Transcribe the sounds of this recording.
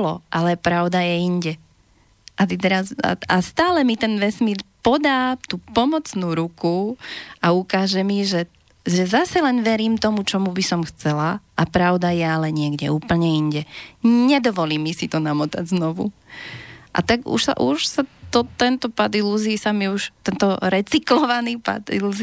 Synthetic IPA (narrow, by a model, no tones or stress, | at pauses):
lɔʔalɛpɾaʊd̪ajɛiɲɟɛ | ʔat̪it̪ɛɾaza̰ast̪aːlɛmit̪ɛnʋɛsmiɾpɔd̪aːt̪uːpɔmɔt͡snuːɾukuaukaːʒɛmiʒɛ | ʒɛzasɛlɛnʋɛɾiːmt̪ɔmut͡ʃɔmubisɔmxt͡sɛlaʔapɾaʊd̪ajɛalɛɲɪɛɡɟɛuːpl̩ɲɛiɲɟɛɲɛd̪ɔʋɔliːmːisit̪ɔnamɔt̪a̰ɟznɔʋṵ | ʔa̰t̪aɡṵʃsa̰ʔuʃsat̪ɔt̪ɛnt̪ɔpad̪iluziisamiuʃt̪ɛnt̪ɔɾɛt͡siklɔʋaniːpa̰d̪ḭluz